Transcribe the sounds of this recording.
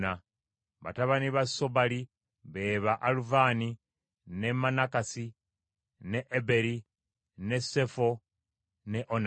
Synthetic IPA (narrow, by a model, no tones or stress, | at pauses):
na | βa̰taβaniβaso̞βali | βe̞ːβaʔaluvani | ne̞manakasi | neʔːbe̞ɾi | ne̞sefo | ne̞ʔon